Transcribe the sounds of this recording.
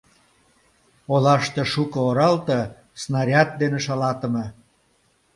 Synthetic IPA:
olɑʃt̪ĕʃukə̆oɾɑlt̪ə̆ | snɑɾʲɑt̪̚d̪eneʃɑlɑt̪ə̆me

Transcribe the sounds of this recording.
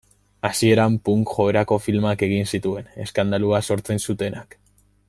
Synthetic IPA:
asie̞ɾampuŋkʝo̞eɾako̞filmake̞ɣinsit̪ue̞ne̞skand̪aluaso̞ɾt͡se̞nsut̪e̞nak

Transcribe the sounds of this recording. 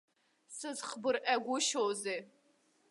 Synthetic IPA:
sɨzχbɨrʔaɡʷʊʃowzeː

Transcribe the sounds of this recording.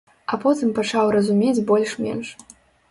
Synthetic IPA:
ɐpɔt̪ɨmpat͡ʂawɾɐzumʲed͡zʲbɔlʲʂmʲɛ̰nʂ

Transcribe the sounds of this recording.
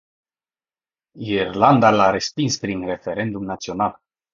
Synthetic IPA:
iirland̪alaɾe̞spinspɾinre̞fe̞ɾe̞nd̪umnat̪sio̞nal

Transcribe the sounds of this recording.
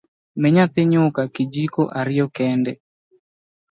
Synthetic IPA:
mɛɲat̪eɲokakid͡ʒikoʔaɾɪjɔkɛndɛ

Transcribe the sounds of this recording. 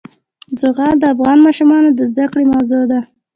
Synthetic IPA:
d͡zʊɣɑd̪əafɣɑnmɑʃumɑnod̪əzd̪akɽemawzod̪a

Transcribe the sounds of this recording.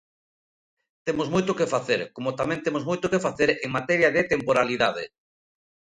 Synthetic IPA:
t̪emozmojt̪okefaθeɾkomot̪amɛ̃nt̪emozmojt̪okefaθeɾeŋmat̪ɛɾjaðet̪empoɾaliðað̞ḛ

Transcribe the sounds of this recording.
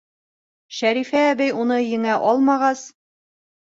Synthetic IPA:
ʃæɾifæːbɘjunɤjɘ̆ŋæʔɒlˠmɑʁɑs

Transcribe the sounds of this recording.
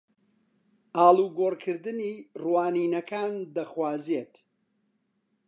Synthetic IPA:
ʔaːluːɡoːɾkʰɨɾd̪ɨniːrwaːniːnɐkʰaːnd̪ɐχwaːzet̪

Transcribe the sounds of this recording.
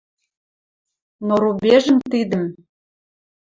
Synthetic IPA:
noɾubʲeʒə̆mt̪id̪ə̆m

